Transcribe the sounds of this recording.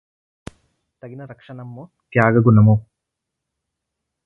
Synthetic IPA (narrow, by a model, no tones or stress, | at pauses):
t̪ɐɡinɐɾɐkʂɐnɐmːo | k̪jaːɡɐɡunɐmo